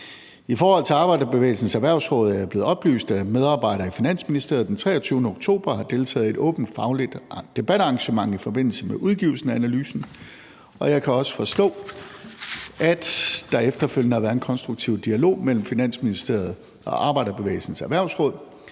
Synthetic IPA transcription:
ifɒːhɒ̽l̰t͡sʰe̝ɑ̈ːb̥ɑ̈ɪɾɐb̥eʋḛɪl̩sn̩sæʋæɐʊsʁɔ̽ːð̞ˠæb̥le̝ːð̩ˠɒ̽b̥ly̰ːsd̥æmeð̞ˠɑ̈b̥ɑ̈ɪ̰ɾ̥ɐːifinæn̰sminisd̥e̝ɐð̩ˠd̥ent͡sʰʁɛ̰ːɐt͡sʰyːʊnəoɡ̥̚t͡sʰo̝̰ːb̥ɐɦɑ̈d̥e̝lt͡sʰɛ̰ːð̞̩ˠe̝d̥ɔ̰̽ːb̥n̩d̥fɑ̈ʊlid̥d̥e̝b̥æɾɑ̈ŋɕəmɑ̈ŋ̰ifɒ̽b̥e̝n̰l̩səmeʔuð̞ˠɡ̥iːʊl̩sn̩æænælyːsn̩ | ɒ̽jɑ̈ɪkʰæɒ̽sə̥fɒ̽sd̥ɔ̰̽ː | æd̥d̥ɑ̈efd̥ɐføljənəhɑ̈ʋæːɐenkʰɒ̽nsd̥ʁuɡ̥̚t͡sʰiʊ̰d̥iælo̝̰ːmel̰m̩finæn̰sminisd̥e̝ɐð̞̩ˠ | ɒ̽ʔɑ̈ːb̥ɑ̈ɪ̰ɾɐb̥e̝ʋḛːl̩sən̩sæʋæɐ̰ʊsʁɔ̽ːð̞̰ˠ

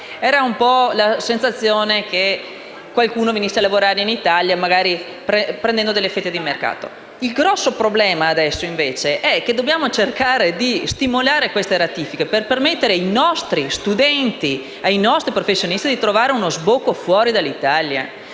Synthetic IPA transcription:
ɛːɾaumpɔlasensat̪sːjoːneke | kːwalkuːnovenisːealavoɾaːɾeinit̪aljamaɡaːɾi | pɾepɾend̪ɛnd̪od̪elːefɛt̪ːed̪imerka̰ːt̪o̰ | ilɡɾɔsːopɾoblɛːmaːd̪ɛsːoiɱveːt͡ʃeʔɛkːed̪objaːmot͡ʃerkaːɾed̪ist̪imolaːɾekwest̪eɾat̪ifikeperpermet̪ːeɾeajnɔst̪ɾist̪ud̪ɛnt̪i | ajnɔst̪ɾipɾofesːjonist̪id̪it̪ɾovaːɾeunozbokːofwɔːɾid̪alːit̪alja̰

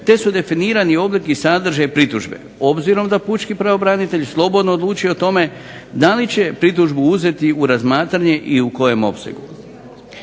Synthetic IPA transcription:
t̪esud̪e̞finiːɾanio̞blikisad̪r̩ʒajpɾit̪uʒbe̞̰ | o̞bziɾo̞md̪aput͡ʃkipɾaʋo̞bɾanit̪e̞ʎslˠo̞bo̞d̪no̞ːd̪lˠuːt͡ʃijo̞ot̪o̞me̞ | d̪alit͡ɕe̞pɾit̪̬uʒbuuze̞t̪iuɾazmaːt̪ɾaɲe̞ʔiuko̞je̞mo̞̰pse̞̰ɡu

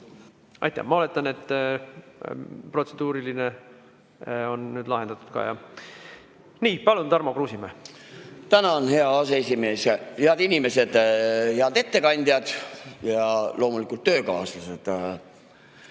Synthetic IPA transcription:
ɑ̰jt̪ːæ̰hmɑo̞le̞t̪ːˑɑne̞t̪ː | pro̞t̪se̞d̪̥uːɾiline | onːyːd̪lɑɦend̪ɑt̪ːˑu̥d̪̥̚kɑ̰jɑ̰ | niːpɑlunt̪ɑrmokruːsime | t̪ænɑonhe̞ɑɑseesʲime̞ːsjɑheɑd̪inʲime̞se̞d̪̥heɑd̪e̞t̪ːe̞kɑnʲd̪̥ʲjɑd̪̥jɑlo̞ːmulikult̪ːøːkɑːslɑsed̪̥

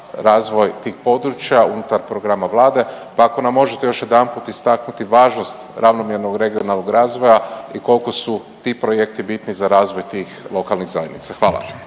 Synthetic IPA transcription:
ɾaːzʋo̞jt̪iːxpo̞d̪ɾut͡ʃjaunut̪aɾpɾo̞ɡɾamaʋlˠaːd̪e̞pako̞namːo̞ʒet̪e̞jo̞ʃje̞d̪anput̪ist̪aknut̪iʋaːʒno̞st̪ɾʔaʋno̞mjeɾnoɡɾe̞ɡio̞nalˠnoɡɾaːzʋo̞jaiko̞lko̞su | t̪ipɾo̞je̞kt̪ibit̪nizaɾaːzʋo̞jt̪iːxlo̞kalˠniɣzajenḭt̪saxʋaːlˠa̰

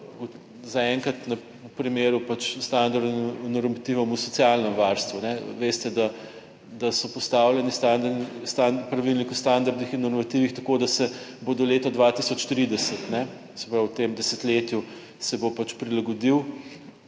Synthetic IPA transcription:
u | zaɛŋkɾat̪nɐ | upɾimeːɾupat͡ʃst̪and̪aɾd̪nɔɾmat̪iʋɔmusɔtsijalnɛmʋaɾst̪ʋunɛʋest̪ɛd̪a | d̪asɔpɔst̪awlʲjɛnist̪and̪st̪apɾɐʋilnikust̪and̪aɾd̪nixinːɔɾmat̪iʋixt̪ɐkod̪asɛboːd̪ɔleːt̪ɔd̪ʋat̪isɔt͡ʃt̪ɾid̪ɛsət̪nɛ | sɛ̥pɾawt̪emd̪ɛsɛt̪leːt̪ju | sɛbopat͡ʃpɾilaɡɔd̪iw

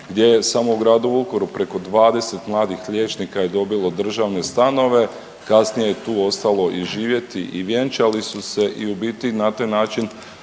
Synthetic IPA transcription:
ɡd̪ʲje̞jesamo̞uɡɾaːd̪uukoɾupɾe̞ko̞d̪ʋaːd̪e̞se̞t̪mlˠaːd̪ixʎʲje̞ːt͡ʃnikaje̞d̪o̞bilo̞d̪r̩ʒaʋne̞st̪ano̞ʋe̞ | kasnije̞jet̪uːo̞st̪alˠo̞ʔiʒiːʋje̞t̪iʔiʋjent͡ʃalisuse̞ʔiubit̪inat̪aːjnaːt͡ʃin

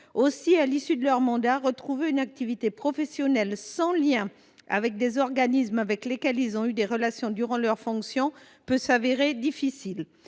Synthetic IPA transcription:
osialisyd̪əlœʁmɑ̃d̪aʁət̪χuveynak̚t̪ivit̪epχɔfɛsjɔnɛlsɑ̃ljɛ̃ | a̰vɛk̚d̪ezɔʁɡanismavɛklekʲɛlilzɔ̃yd̪eʁəlasjɔ̃d̪yʁɑ̃lœʁfɔ̃ksjɔ̃ | pøsaveʁed̪ifisil

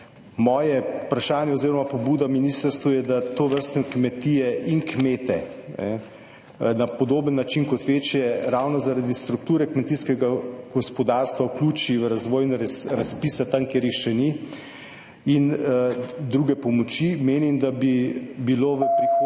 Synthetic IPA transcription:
mɔːjɛpɾaʃaːnjɛoziːɾɔmapobuːd̪aminist̪əɾst̪ʋujɛd̪at̪oːʋəɾst̪nɛkmɛt̪ijɛʔiŋkmeːt̪ɛnɛ̰ | napod̪oːbənːat͡ʃinkɔt̪ʋeːt͡ʃjɛɾawnɔzaɾad̪ist̪ɾuk̚t̪uːɾɛkmɛt̪iskɛɡaɡ̥ɔspɔd̪aːɾst̪ʋauklʲuːt͡ʃiʋəɾazʋɔːjnɾɾaspisat̪aŋkjeːɾjixʃɛni | in | d̪ɾuɡɛpɔmɔt͡ʃimeːnimd̪abibiloːʋəpɾixo

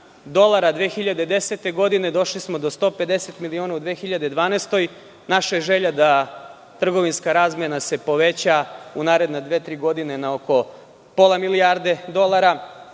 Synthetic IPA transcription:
d̪o̞lˠaɾad̪ʋexiʎad̪ed̪eset̪e̞ɡo̞d̪ine̞d̪o̞ʃlismo̞d̪o̞st̪o̞ːpe̞d̪e̞set̪milioːnaud̪ʋeːxiʎad̪ed̪ʋaːnest̪o̞j | naʃajeʒe̞ʎad̪a | t̪r̩ɡo̞ʋinskaɾaːzmjenase̞po̞ʋet͡ɕaunaːɾe̞d̪nad̪ʋeːt̪ɾiːɡo̞d̪ine̞nao̞ko̞ | po̞lˠamiliaɾd̪e̞d̪o̞lˠaɾa

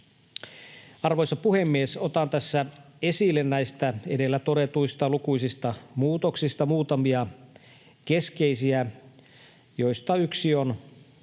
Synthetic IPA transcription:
ɑrʋojsɑpuhemːiesot̪ɑnt̪æsːæ | e̞silːennæjst̪æedelːæt̪o̞det̪uist̪ɑlukujsist̪ɑmuːt̪oksist̪ɑmuːt̪ɑmiɑ | ke̞skeisiæ | jo̞jst̪ɑyksion

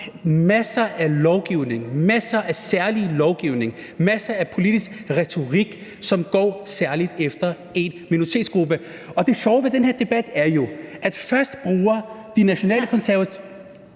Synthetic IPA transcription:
mæsɐʔælɒʊɡ̥iʊ̰ne̝ŋmæsɐʔæsæɐlilɒʊɡ̥iʊ̰ne̝ŋmæsɐæpʰo̝lid̥isɡ̥ʁɛt͡sʰo̝ʁiɡ̥ | sɒ̽mɡ̥ɒ̰ːsæɐlid̥efd̥ɐ | e̝nminoit͡sʰe̝ːdsɡ̥ʁub̥ə | ɒ̽d̥e̝ɕɒʊʋe̝d̥enheɐd̥e̝b̥æd̥æɐjo̝ʔæd̥fɶɐsd̥b̥ʁuːɐd̥inæɕo̝nɛ̰ːləkʰɒ̽nsæɐʋæt͡s

